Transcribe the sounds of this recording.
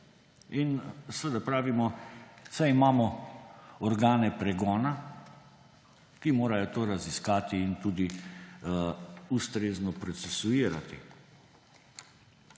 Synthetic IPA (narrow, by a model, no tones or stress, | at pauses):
insʋəd̪apɾaːʋimɔsajimaːmɔ | ɔɾɡaːnɛpɾɛɡɔːna | kimoːɾajɔt̪oːɾaziskaːt̪iːnt̪uːd̪i | ust̪ɾeːznɔpɾɔt̪sɛsuiːɾa̰t̪ḭ